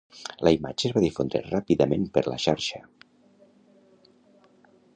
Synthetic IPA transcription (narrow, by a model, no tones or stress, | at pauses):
ləima̰d͡ʒəːzβaðifond̪ɾḛrapiðəmenpəɾlə̰ʃaɾʃə